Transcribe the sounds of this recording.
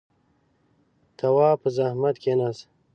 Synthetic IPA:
t̪ʰɐwɑːpəzahmɐt̪kenas

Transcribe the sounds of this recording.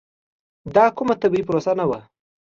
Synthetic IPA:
d̪ɑkʊmat̪abiipɾosanawa̰

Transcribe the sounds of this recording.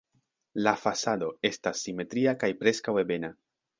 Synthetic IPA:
lafasado̞e̞stasːime̞tɾiakajpɾe̞skawe̞be̞na

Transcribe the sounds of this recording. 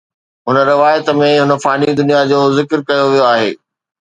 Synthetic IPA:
ɦʊnə̆ɾɪʋaːjət̪ə̆mẽɦʊnə̆faːnid̪ʊnijad͡ʑoːzɪkɾkɐjoʋijoaːɦḛː

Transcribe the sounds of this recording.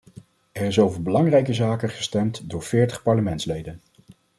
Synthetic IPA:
ɛrɪsowvəɹbəlɑŋrɛjk̬əzaːkəχə̥stɛmtdʊːɹv̥ɪːɹtə̥χpɑɹləmɛntslejdən

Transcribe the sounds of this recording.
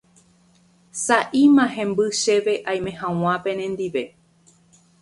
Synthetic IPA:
saʔimãɦẽ̞mbɨʃe̞ʋe̞ʔaj̃mẽ̞hãw̃ãpẽ̞nẽnd̪iʋe̞

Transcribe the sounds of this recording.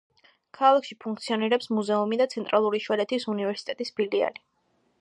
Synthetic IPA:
kʰalˠakʃipʰuŋkʰt̪sʰiɔniɾɛpsmuzɛumid̪at̪sʰɛnt̪ʼɾalˠuɾiʃwaɾɛt̪ʰisunivɛɾsi̥t̪ʼɛt̪ʼisbilia̰li

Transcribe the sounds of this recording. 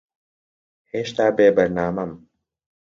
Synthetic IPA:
heːʃt̪aːbeːbɐɾnaːmɐm

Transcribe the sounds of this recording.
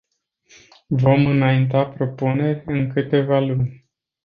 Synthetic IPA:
vo̞mɨnaint̪apɾo̞pune̞rʲɨŋkɨt̪e̞valunʲ

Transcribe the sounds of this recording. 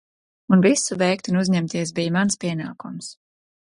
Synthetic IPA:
unvisuvɛjkt̪unuzɲɛmt̪iɛsbijmanspiɛna̰ːkums

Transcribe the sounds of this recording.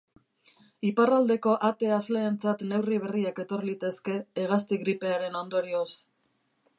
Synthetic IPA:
iparald̪e̞ko̞ʔat̪e̞azle̞ːnt͡sat̪ne̞wriβ̞e̞riake̞t̪o̞rlit̪e̞ske̞ːɣ̞ast̪iɣɾipe̞aɾe̞no̞nd̪o̞ɾio̞s

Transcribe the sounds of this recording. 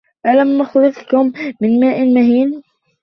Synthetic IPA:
ʔalamːʊxlɨðˤkʊmːɪnmaːʔmʊɦiːn

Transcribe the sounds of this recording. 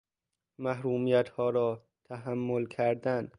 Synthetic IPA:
mæɦɾuːmijæt̪hɒːɾɒː | t̪ʰæɦæmːolkʰæɾd̪æn

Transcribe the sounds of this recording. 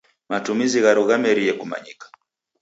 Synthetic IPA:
matumiziɣaɾuɣamɛɾijɛkuma̰ɲikḁ

